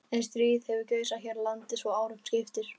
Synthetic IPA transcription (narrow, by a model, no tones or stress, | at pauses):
ɛnst̪ɾiːðhɛvɪcœːɥsaçɛːɾlant̪ɪsvɔaːwɾʏkn̥scɪft̪ɪɾ̥